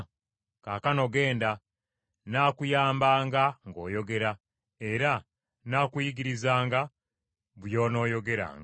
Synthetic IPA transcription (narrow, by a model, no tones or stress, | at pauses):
kaːkano̞ɡe̞ːnda | naːkujaːmbaːŋɡaŋɡo̞ːjo̞ɡe̞ɾa | e̞ɾa | naːkujiɡiɾizaːŋɡa | βujo̞ːno̞ːjo̞ɡe̞ɾa̰ːŋɡa